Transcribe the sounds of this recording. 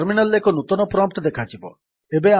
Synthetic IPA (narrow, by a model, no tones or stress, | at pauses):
ɾminalekɔnut̪ɔnɔpɾɔmp̚ʈ̪ɔd̪ekʰat͡ʃʰibɔ̰ | ebea